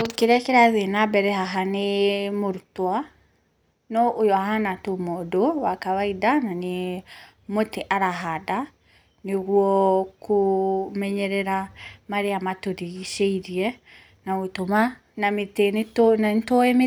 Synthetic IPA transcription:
okeɾɛkeɾaðenabɛɾɛɦaɦanemoɾutwa | nɔʔojɔahanatomɔdowakawaidanane | moteʔaɾaɦada | neɣuɔkomɛɲɛɾɛɾamaɾeamatoɾiɣiʃeiɾiɛ | nawotoma | nametenetonantoeme

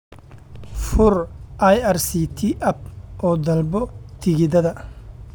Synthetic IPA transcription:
fʊrʔɐjɐrsiːt̪ʰiʔɐb̚ʔɔːd̪ɐlbɔt̪ʰɪɣɪðɐðɐ

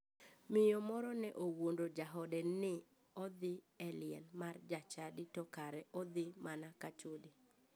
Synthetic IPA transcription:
mɪjɔmɔɾɔnɛʔowondod͡ʒaɦɔdɛnːɪ | ɔd̪ɪ | ɛlɪɛ̰nmard͡ʒat͡ʃadɪtɔkaɾɛʔɔd̪ɪmanakat͡ʃodi

